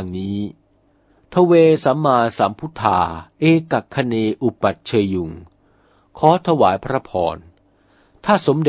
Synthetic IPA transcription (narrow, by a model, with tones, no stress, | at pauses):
ŋniː˦˥ | t̪ʰa˧weː˧sa˩˦mːaː˧nsaː˩˦mpʰu˦˥t̪ʰːaː˧˩ʔeː˧ka˨˩kʰːa˧neː˧ʔu˨˩pːa˨˩t̪̚t͡ɕʰɤː˧jːu˨˩ŋ | kʰɔː˦˥t̪ʰa˧waː˩˦jpʰɾa˦˥pʰɔ̰ː˧n | t̪ʰaː˥˩so˩˦mde˨˩